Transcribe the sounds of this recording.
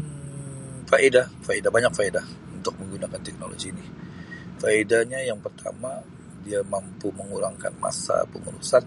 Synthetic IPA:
faʔidafaidabaɲak̚faidaunt̪ʊk̚məŋɡunakant̪ɛk̚nolo̰ɡiːni | faidaɲajaŋpərt̪ʰa̰ma | diamampuməŋuɾaŋka̰nma̰sa̰pəmuɾṵsat̪

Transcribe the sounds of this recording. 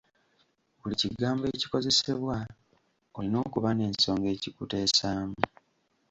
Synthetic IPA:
βuliciɡaːmbe̞ci̥ko̞ze̞se̞βwa | olino̞ːkuβane̞ːnso̞ːŋɡe̞ːcikute̞ːsaːmu

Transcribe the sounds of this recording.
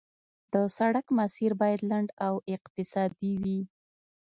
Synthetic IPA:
d̪̥əsaɽakmasiɾbɑjad̪laɳɖawɪqt̪ɪsɑd̪iwi

